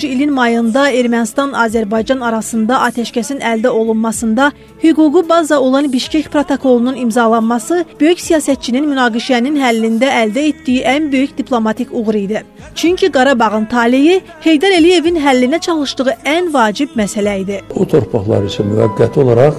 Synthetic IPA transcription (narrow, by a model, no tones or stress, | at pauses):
d͡ʒuilinmɑjɯnd̪ɑe̞ɾmænst̪ɑnɑːzæɾbɑjd͡ʒɑnɑɾɑsɯnd̪ɑʔɑt̪ʰæʃcʰæsinæld̪æo̞lˠunmɑsɯnd̪ɑ | hyɡuɡibɑzɑo̞lˠɑnbiʃcʲecpɾo̞t̪ʰo̞kʰo̞lˠununimzɑlˠɑnmɑsɯbø̞jyçsijɑːsæt̪̚t͡ʃʰininmynɑːɡiʃæninɦælːind̪æːld̪æet̪d̪ijiʔænbø̞jycd̪ipʰlˠo̞mɑt̪ʰikuɣɾid̪i | t͡ʃʰyɲcʰiɡɑɾɑbɑʁɯnt̪ʰɑːliji | he̞jd̪ɑɾe̞lije̞vinɦælːinæt͡ʃʰɑlˠɯʃt̪ɯɣɯænvɑːd͡ʒib̚mæsælæid̪ibut̪ʰo̞ɾpʰɑχlˠɑ̰ɾit͡ʃʰɛmyvæ̰ɡːæt̪ʰo̞lˠɑɾɑχ